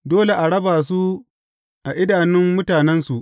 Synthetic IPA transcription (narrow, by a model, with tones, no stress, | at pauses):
doː˦le˨ʔa˨ɽɐ˦baː˨s̬u˦ | ʔa˨ʔɪ˦daː˨nɪ˦mːʊ˦taː˨nɛ˦nsu˨ʔ